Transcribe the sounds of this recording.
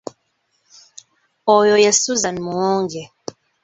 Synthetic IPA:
ɔjɔjɛsuzanmuɔŋɡɛ

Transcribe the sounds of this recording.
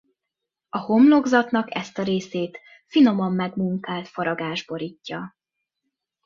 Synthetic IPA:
ɒho̞mlo̞ɡzɒt̪nɒkɛ̰st̪ɒɾeːseːt̪ | fino̞mɒmːɛɡmuŋkaːlt̪fɒɾɒɡaːʒbo̞ɾicːɒ

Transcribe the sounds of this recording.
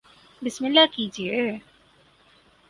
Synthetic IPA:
bɪsmɪlːakiːd͡ʒie

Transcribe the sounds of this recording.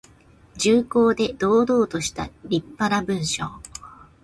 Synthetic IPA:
d͡ʑɨːko̞ːd̪e̞d̪̥o̞ːd̪o̞ːt̪o̞ɕi̥t̪aɾʲipːaɾabɯ̟̃ɰ̃ɕoː

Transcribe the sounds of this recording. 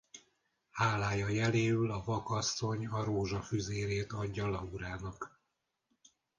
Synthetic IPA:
haːlaːjɒjɛleːylɒvɒkɒsːo̞ɲɒɾoːʒɒfyzeːɾeːt̪ɒɟːɒlɒuɾaːnɒk

